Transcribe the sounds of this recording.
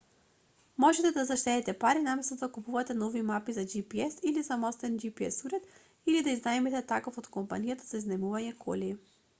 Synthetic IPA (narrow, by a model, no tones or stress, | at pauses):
mɔʒɛt̪ɛd̪azaʃt̪ɛt̪ɛt̪ɛpaɾinamɛst̪ɔd̪akupuvat̪ɛnɔvimapizad͡ʒipiɛsilizamɔst̪ɛnd͡ʒipiɛsuɾɛt̪ | ilid̪aiznaɛmɛt̪ɛt̪akofot̪kompanijat̪azaiznɛmuvaɲɛkʰɔ̰li